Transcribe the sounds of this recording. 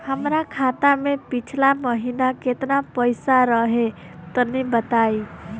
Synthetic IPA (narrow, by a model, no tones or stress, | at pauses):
həmɾakʰaːt̪amẽpit͡ʃʰlaməɦinaket̪napəjsaɾəɦe | t̪ənibət̪aːi